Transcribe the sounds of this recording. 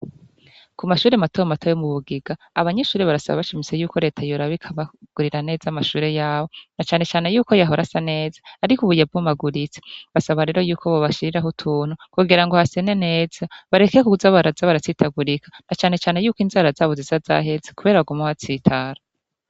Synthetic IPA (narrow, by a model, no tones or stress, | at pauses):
kumaʃuːɾematoamatʰojomuβuɡiɡaːβaɲeʃuːɾeβaɾasa̰βa̰βaʃimit͡se̞juːkʰo̞ɾe̞ːtʰajoɾaβikʰaβaɡ̥uɾiɾane̞ːzamaʃuːɾe̞jaːβo̞nat͡ʃaːne̞t͡ʃaːne̞juːko̞jaɦoɾasane̞ːzḁːɾikuβujab̚ɡumaɡuɾit͡se̥βasaβaɾe̞ːɾo̞juːkoβoβaʃiɾiɾaɦutʰuːn̥hukuɡiɾaŋɡo̞hase̞ne̞ne̞ːz̥aβaɾe̞kekuuzaβaɾazaβaɾat͡siːtʰaɡuɾikḁnat͡ʃaːne̞t͡ʃaːnejuːkinzaːɾazaːβozizaza̰ɦe̞zekuβe̞ɾaβaɡumaβat͡siːtʰaːɾa